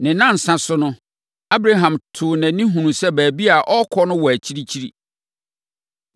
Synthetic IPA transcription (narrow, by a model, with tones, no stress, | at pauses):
nɪ̃˨nã˦˨n̩˨sã˨sʊ˦nʊ̃˦ | a˦bɾa˦ɦã˨mtʰʊ˨næ̃˨nĩ˦ɦũ˨nũ˨sɛ˦bæː˨bi˦a˨ʔɔ˦kʰɔ˦nʊ̃˦wɔ˨æ˨t͡ɕʰi˦ɾi˦t͡ɕʰi˦ɾi˦